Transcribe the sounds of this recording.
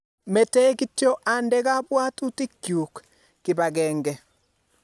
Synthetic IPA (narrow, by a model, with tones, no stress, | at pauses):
mɛ˨tɛ˦ɣitjo˦ʔandɛɣa˦βwa˦tu˦ti˦kjuk | ki˨βaɣɛːŋɡɛ